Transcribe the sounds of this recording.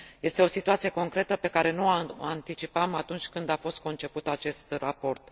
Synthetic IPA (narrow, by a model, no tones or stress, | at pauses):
je̞st̪eo̞sit̪uat̪sije̞ko̞ŋkɾe̞t̪əpe̞kaɾe̞nuaant̪it͡ʃipamat̪unt͡ʃʲkɨnd̪afo̞st̪̚ko̞nt͡ʃe̞put̪at͡ʃe̞st̪rapo̞rt̪